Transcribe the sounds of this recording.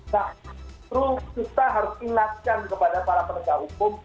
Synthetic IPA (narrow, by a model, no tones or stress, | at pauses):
nat̪ɾʊskut̪aɦaɾʊsiŋat̪̚kankəpadapaɾapənɡawukʊm